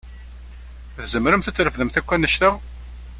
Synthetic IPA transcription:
θzəmːɾəmθət͡sːɾəfðəmθækʷːænːəʃt̪əʁ

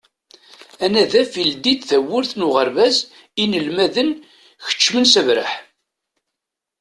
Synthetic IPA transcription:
ænæðæfild̪id̪θæwːʊɾθnuʁəɾvæz | inəlmæðən | çə̥t͡ʃːmənsəvɾə̰ħ

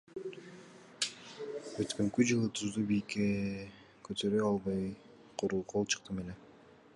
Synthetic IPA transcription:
øt̪kø̞ŋkyd͡ʒɯlˠɯt̪ʰuzd̪ubijke | kʰøt̪ʰø̞ɾøɑlˠbɑj | qʰuɾulˠqʰo̞lˠt͡ʃʰɯ̥q̚t̪ɯmele

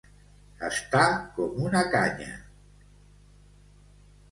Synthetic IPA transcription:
ə̰st̪akɔmunakaɲə̰

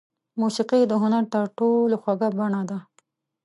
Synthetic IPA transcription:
musiqid̪əɦʊnaɾt̪aɾʈoloxwaɡabaɳad̪a

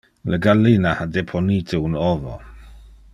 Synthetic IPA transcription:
ləɡalinahadɛpʰɔnitʰəunɔvɔ̰

